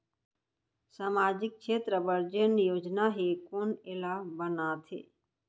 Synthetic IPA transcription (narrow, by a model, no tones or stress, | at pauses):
saːmaːd͡ʒɪk̚kʃeːt̪ɾəbəɾd͡ʒənjoːd͡ʒnaɦiːkoːnɪlabənaːt̪ʰḛː